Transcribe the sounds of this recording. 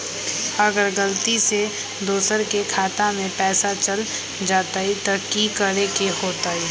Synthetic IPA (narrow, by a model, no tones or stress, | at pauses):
ɐɡəɾɡəlt̪ise | d̪oːsəɾkekʰaːt̪amẽpɛːsat͡ʃɐl | d͡ʒaːt̪aɦit̪ɐkikəɾekehoːt̪aɦi